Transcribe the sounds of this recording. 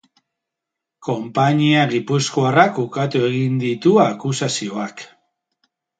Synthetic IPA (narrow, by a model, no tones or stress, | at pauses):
ko̞mpaɲiaɣipuskoarakukat̪ue̞ɣind̪it̪uakusasio̞ak